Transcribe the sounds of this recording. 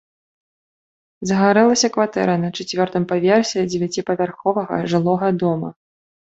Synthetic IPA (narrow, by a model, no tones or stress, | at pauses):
zɐɣaɾɛlˠɐsʲɐkvat̪ɛ̰ɾɐnɐt͡ʂɛt͡sʲvʲɔrt̪ɨmpavʲɛrsʲid͡zʲɛvʲat͡sʲipɐvʲarxɔvɐɣɐ̰ʐɨlˠɔɣɐd̪ɔmɐ̰